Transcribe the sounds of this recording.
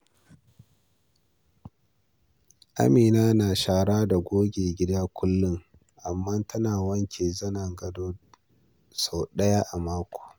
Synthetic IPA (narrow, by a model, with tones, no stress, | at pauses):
ʔa̰˦miː˨naː˦naː˨ʃaː˦ɽaː˦da˨ɡʷoː˦ɡʲeː˨ɡʲɪ˦da˦kʷʰʊ˦lːʊ˦ŋ | ʔa˨mːɐ˦ntʰɐ˦naː˨wɐ˦ŋkʲʰeː˨zɐ˦nɐ˨ŋɡɐ˨doː˦ | sa˨ɗɐ˦ja˦ʔa˨maː˦kʷo̥ː˨